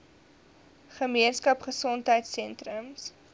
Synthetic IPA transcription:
χəmiənskɐpχəsɔntɦəjtsɛntrəms

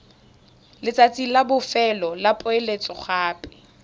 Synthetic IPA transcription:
lɪt͡sʼat͡sʼilabʊfɛlɔlapʼʊelet͡sʼɔχʰaːpʼɪ̥

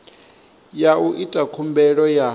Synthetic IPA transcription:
jauʔitʼakʰumbɛɺɔja

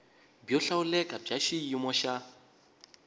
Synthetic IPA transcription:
bjɔɬaulɛkʼab͡ʐaʃiimɔʃa

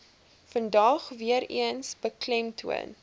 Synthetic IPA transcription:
fəndɐχviəɾḭənsbəklɛmtʰuə̰n

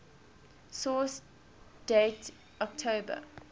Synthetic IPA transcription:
sɔːˑs | d̥eːt | ɔk̚tʰoːbə̰

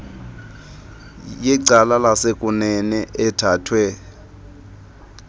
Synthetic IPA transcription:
jɛǀalalasekʼunɛnɛʔɛtʰaːtʰwɛ

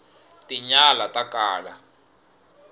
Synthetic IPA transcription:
tiɲalatʼakʼaːla̰

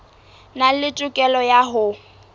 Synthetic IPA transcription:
nalɪtʼʊkʼɛlɔjaɦʊ

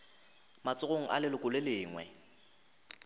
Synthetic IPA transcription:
mat͡sʼʊɣoŋ̩ʔa̰lɪlʊkʼʊlelɪːŋwɛ̰

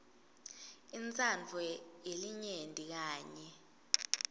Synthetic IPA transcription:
int͡sʼand͡ɮʱwɛjeliɲendʼʱik̬aːɲɛ

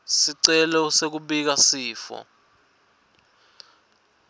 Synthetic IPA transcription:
siǀɛlɔsek̬uɓik̬asiːfɔ̰

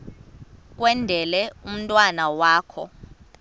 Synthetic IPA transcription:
k̬ʼwɛndʱɛlɛum̩tʼwanawaːkʰɔ̰

